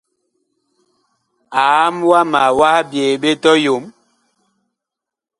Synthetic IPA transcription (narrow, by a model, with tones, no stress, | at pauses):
a˨˦mwa˦ma˨wa˦bjeː˨ɓe˦tɔ˦jo˨˦m